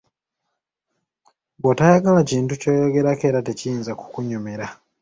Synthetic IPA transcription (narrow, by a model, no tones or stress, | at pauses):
ɡotajaɡalaciːntuco̞ːjo̞ɡe̞ɾake̞ːɾate̞cijiːnzaku̥kuɲume̞ɾa